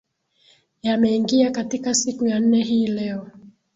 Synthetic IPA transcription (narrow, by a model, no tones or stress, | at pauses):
jamɛiŋɡiakatikasikujan̩nɛɦiːlɛɔ